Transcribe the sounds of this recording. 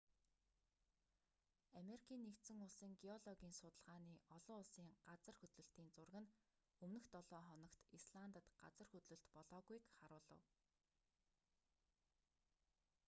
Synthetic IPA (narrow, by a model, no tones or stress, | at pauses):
ameɾikʰiːnːekt̪sɘ̆ŋʊɮsiːŋɡiɔɮɔɣʲiːnsʊt̪ə̆ɮʁaːniːɔɮʊːʊɮsiːŋɢat͡sə̆rxɵt̪ɮɵ̆ɬt̪iːnt͡sʊrɣɘ̆n | ɵmnɵ̆xt̪ɔɮɔːχɔnɞ̆kt̪isɮant̪ə̆t̪ɢa̰t͡sə̆rxɵt̪ɮɵ̆ɬt̪pɔɮɔːɣujkχaɾʊːɮə̰̆w